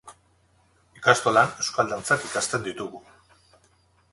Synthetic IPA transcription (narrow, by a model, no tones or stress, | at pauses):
ikast̪o̞lane̞wskald̪ant͡sakikast̪e̞nd̪it̪uɣu